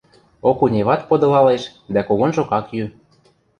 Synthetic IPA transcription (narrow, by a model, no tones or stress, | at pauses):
okunʲeβɑt̪̚pod̪ɤ̆lɑleʃ | d̪ækoɣonʒokɑkjy